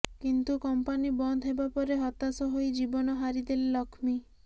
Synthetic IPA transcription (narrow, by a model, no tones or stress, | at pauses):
kint̪ukɔmpanibɔnd̪ʱɦebapɔɾeɦɔt̪asɔɦojd͡ʒibɔnɔɦaɾid̪elelɔkʰmi